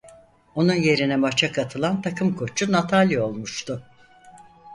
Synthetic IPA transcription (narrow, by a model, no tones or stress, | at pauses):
o̞nunje̞ɾinɛmat͡ʃʰakʰat̪ʰɯlˠant̪ʰakʰɯmkʰo̞t͡ʃʰunat̪ʰalʲio̞lˠmuʃt̪ʰʊ